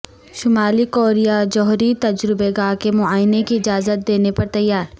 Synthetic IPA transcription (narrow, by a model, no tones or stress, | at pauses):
ʃʊmaːlikoːɾijad͡ʒɔɦɾit̪ɐd͡ʒɾɪbeɡaːkemʊaːjnekiɪd͡ʒaːzət̪̚d̪eːnepɐɾt̪ɐjːaːɾ